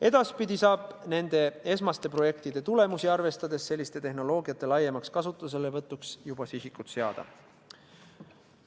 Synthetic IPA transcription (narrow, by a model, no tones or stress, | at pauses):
e̞d̪̥ɑspid̪isɑːb̥ne̞nd̪̥e̞e̞smɑst̪e̞pro̞je̞kt̪id̪̥e̞t̪ule̞musiɑrve̞st̪ɑd̪e̞sːe̞lʲːist̪e̞t̪e̞ɦno̞lo̞ːɡiɑt̪ːˑe̞lɑje̞mɑkskɑsut̪ːˑuse̞levɤt̪ˑːuksjub̥ɑsisikːut̪seɑ̰d̪̥ɑ̰